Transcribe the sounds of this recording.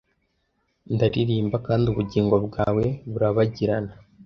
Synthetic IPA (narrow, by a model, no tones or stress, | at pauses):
ndaɾiɾiːmbakaːndiuβuɟiːŋɡo̞bɡaːwe̞βuɾaβaɟiɾana